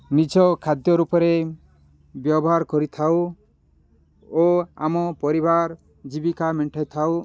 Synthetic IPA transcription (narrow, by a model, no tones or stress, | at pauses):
nid͡ʒɔkʰad̪jɔɾupɔɾe | bjɔbɔɦaɾkɔɾit̪ʰaw | oa̰mɔpɔɾibʱaɾ | d͡ʒibikamiɳʈʰajt̪ʰaw